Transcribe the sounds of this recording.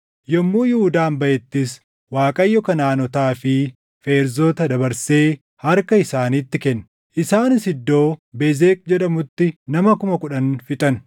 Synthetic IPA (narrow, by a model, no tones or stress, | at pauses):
jɔmːuːjɪhʊd̪aːmbɐʔɛt̪ːɪs | waːkʼɐjːɔkɐnaːnɔt̪aːfɪ | fe̞ːɾzoːt̪ɐd̪ɐbɐɾseː | hɐɾkɐɪsaːniːt̪ːɪkɛnː | ʔɪsaːnɪsɪd̪ːo̞ːbɛzeːkʼd͡ʒɛᶑɐmʊt̪ːɪnɐmɐkʊmɐkʊᶑɐnfɪt̪ʼɐn